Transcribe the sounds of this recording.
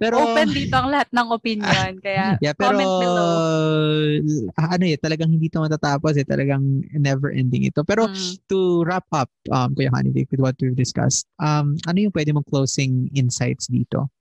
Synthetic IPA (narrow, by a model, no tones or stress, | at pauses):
pɛːɾoopɛnd̪iːt̪oɐŋlɐhat̪̚nɐŋʔopɪnonkɐjajapɛːɾo | ʔɐnojɛt̪ɐlɐɡaŋhɪnd̪iːt̪omɐt̪at̪aːposɛt̪ɐ̰lʔɐɡɐŋnɛvɛɹʔɛ̰nd̪ɪ̰ŋɪ̰t̪o̞pɛːɾot̪ʊɹap̚ʔɐp̚ʔɐ̰mkɐjɐha̰nɪ̰vɪ̰k̚wɪd̪wɐt̪̚wivd̪ɪskɐ̰st̪̚ʔɐmʔɐnojʊŋpwɛd̪ɪmoklowsɪŋɪnsajt̪sd̪ḭːt̪o̰